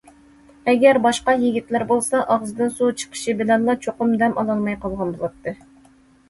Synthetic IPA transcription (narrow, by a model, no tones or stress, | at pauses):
ɛɡʲɛɾbɑʃqɑjiɡʲit̪læɾbolˠsɑʔɑʁzɨd̪ɨnsut͡ʃʰə̥qʰə̥ʃɨbɪlɛnlˠɑt͡ʃʰoqʊmd̪ɛmʔɑ̰lˠɑlˠmɑjqɑlˠʁɑnbolˠɨt̪ʰːɨ